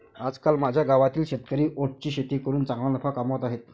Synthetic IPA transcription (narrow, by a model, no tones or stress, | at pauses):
ad͡zkalmad͡ʑʱjaɡaʋat̪iːlɕet̪kəɾiːʔoʈ̚t͡ɕiːɕet̪iːkəɾuːnt͡sãŋɡɭãnəpʰakamʋət̪aɦet̪̚